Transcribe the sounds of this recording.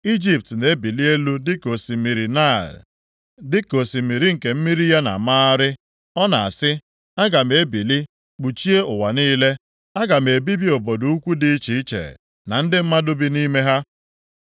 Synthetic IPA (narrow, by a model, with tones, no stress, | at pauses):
i˦d͡ʒi˨p̚tne˨˦bi˨li˦e˦lu˦dɪ˦ko˨si˨mi˨ɾi˨na̰˦˨l | dɪ˦ko˨si˨mi˨ɾi˨ŋ̩˨ke˨m̩˦mi˦ɾi˦ja˦na̰˨ma˦a˦ɾɪ˦ | ɔ˦na˨a̰˨sɪ˦ | a˦ɡa˨m̩˨e˦bi˨li˦ | k͡pu˨t͡ʃi˦e˦ʊ˨wa˨niː˦le˦ | a˦ɡa˨m̩e˨bi˦bi˦o˨bo˨du˨u˦kʷu˦dɪ˦t͡ʃi˨i˦t͡ʃḛ˨ | na˨n̩˦dɪ˦m̩˦ma˦dʊ˦bi˦ni˦me˦ɦa˦